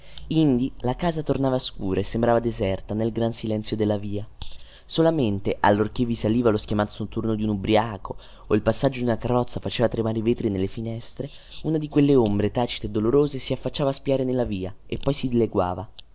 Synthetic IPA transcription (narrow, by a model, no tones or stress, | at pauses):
ind̪ilakaːzat̪ornaːvaskuːɾʔaesːembɾaːvad̪ezɛrt̪anelɡɾansilɛnt̪sjod̪elːaviːa | solament̪eʔa̰lːork̟evːisaliːvaloskjamat̪osot̪ːurnod̪iunubɾiaːko | oilpasːad͡ʒːod̪junakarːɔt̪sːafat͡ʃeːvat̪ɾemaːɾeiveːt̪ɾinelːefinɛst̪ɾe | unad̪ikwelːeombɾet̪aːt͡ʃi̥t̪ed̪ːoloɾoːzesiafːat͡ʃːaːvaspiaːɾenelːaviːaepːɔjsid̪ileɡwa̰ːva